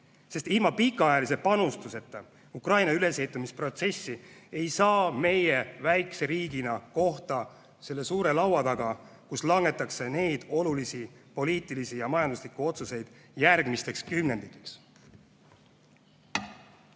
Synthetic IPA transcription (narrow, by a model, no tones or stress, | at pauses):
se̞st̪ilmɑpikːˑɑjɑlis̬e̞pɑnust̪use̞t̪ːˑɑ | ukrɑjnɑyle̞se̞jt̪ˑːumispro̞t̪se̞sːie̞jsɑːme̞je̞væjkseɾiːɡ̥inɑko̞ht̪ɑ | se̞lːe̞suːɾe̞lɑwɑt̪ɑɡ̥ɑkuslɑŋɡe̞t̪ːˑɑkse̞ne̞jd̪̥o̞lulisipo̞liːt̪ːˑilisijɑmɑjɑnd̪uslikːˑuo̞t̪suse̞jd̪̥jærɡ̥mist̪e̞kskymne̞nd̪̥ikːˑi̥ks